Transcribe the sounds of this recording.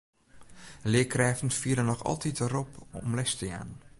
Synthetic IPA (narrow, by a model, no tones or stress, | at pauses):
lɪəkrɛːvn̩fiəɾənɔxɑ̰lˠtitəɾɔpɔ̰mlɛstəja̰ːn